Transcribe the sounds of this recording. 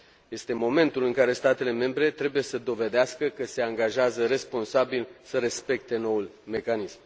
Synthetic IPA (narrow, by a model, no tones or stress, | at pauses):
je̞st̪e̞mo̞me̞nt̪ulɨŋkaɾe̞st̪at̪e̞le̞me̞mbɾe̞t̪ɾe̞buje̞səd̪o̞ve̞d̪easkəkəse̞aŋɡaʒeazəɾe̞spo̞nsabilsəɾe̞spe̞kt̪e̞no̞ulme̞kanism